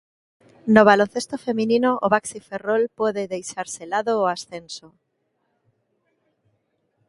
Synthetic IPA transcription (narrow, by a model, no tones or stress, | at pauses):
noβ̞alõn̟θest̪ofemĩninoʔoβaksiferolpoðeðejʃaɾselaðoːasθenso